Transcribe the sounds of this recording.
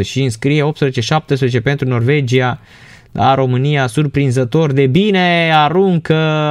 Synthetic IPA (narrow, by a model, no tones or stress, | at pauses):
ʃiɨnskɾije̞o̞p̚t̪spɾeet͡ʃeʃap̚t̪es̬pɾezet͡ʃe̞pe̞nt̪ɾuno̞rve̞d͡ʒia | lʔa̰ɾo̞mɨnijasurpɾinzət̪o̞rd̪e̞bine̞aɾuŋkə